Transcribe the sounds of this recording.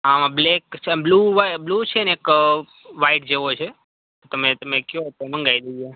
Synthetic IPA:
amãblekt͡ʃʰbluʋablut͡ʃʰeneek | ʋaiʈ̚d͡ʒeʋot͡ʃʰe | t̪ot̪əmet̪əmekjot̪emə̃ŋɡajd̪ejo

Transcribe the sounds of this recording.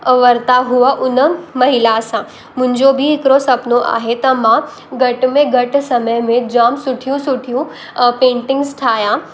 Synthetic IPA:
ʋɐɾt̪aɦuaʔʊnəmɐɦɪlasã | mʊ̃ɦɪ̃ɲd͡ʑobʱiɦɪkɾosɐpnoʔa̰ːɦet̪ɐmã | ɡʱɐʈmẽɡʱɐʈsɐməjmẽd͡ʑaːmsʊʈʰijũsʊʈʰijũ | pẽːɳʈɪ̃ŋɡzʈʰaːjã

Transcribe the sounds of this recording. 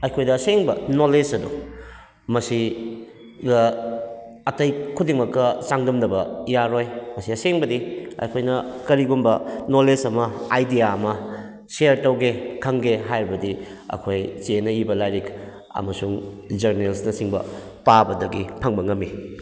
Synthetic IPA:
ɐjkʰojdɐseŋbɐnoled͡ʒɐdu | mɐsi | ɡɐ | ɐtɐjkʰudiŋmɐkːɐt͡ʃaŋdɐmdɐbɐjaɾojmɐsiɐseŋbɐdiɐ̰jkʰojnɐkɐɾiɡumbɐnolesɐmɐajdijaɐmɐ | seɾtɐwɡekʰɐŋɡeɦajɾibɐdiɐ̰kʰojt͡ʃenɐibɐlajɾik | ɐ̰mɐsuŋd͡ʒɐɾnelsnɐsiŋbɐ̰ | pabɐdɐɡipʰɐŋbɐŋɐmːi

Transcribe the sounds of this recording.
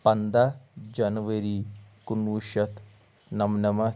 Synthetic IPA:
pɐnd̪ad͡ʒɐnʋəɾikunʋuʃɐt̪ | nɐmnɐmɐ

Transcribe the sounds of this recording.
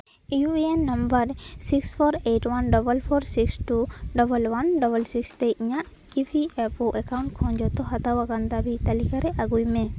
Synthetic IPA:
ijuienːambəɾsikspʰɔɾejʈwanɖɔbəlpʰɔɾsiksʈuɖɔbəlwanɖɔbəlsikst̪ɛiɲaʔ | ipʰiɛpɔʔɛkaw̃ɳʈkʰɔ̃nd͡ʒɔt̪ɔɦat̪awaɡand̪abit̪alikaɾɛʔaɡujmɛ

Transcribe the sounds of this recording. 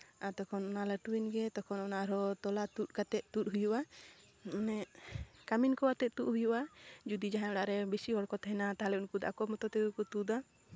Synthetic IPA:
at̪ɔkʰɔnɔnaləʈuwinɡɛt̪ɔkʰɔnɔnaʔɾɔt̪ɔlat̪ut̚kat̪ɛʔ̪̚ˀt̪ut̚ɦujuʔa | nɛkaminkɔwat̪ɛʔ̪̚t̪uʔ̪̚ɦujuʔad͡ʒud̪id͡ʒaɦãɔɽaʔɾɛbisiɦɔɽkɔt̪ɦɛnat̪aɦalɛunkud̪a̰kɔmɔt̪ɔt̪ɛɡukut̪ud̪a

